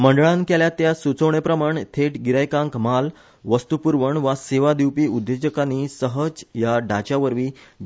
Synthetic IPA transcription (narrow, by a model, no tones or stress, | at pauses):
məɳɖəɭãnkeljat̪jasut͡səwɳepɾəmaɳt̪ʰeʈɡiɾajkãŋkmal | ʋəst̪upuɾʋəɳʋaseʋad̪iwpiːud̪ʱːed͡ʑəkaniːsəɦəd͡zjaɖat͡ɕaʋəɾʋiː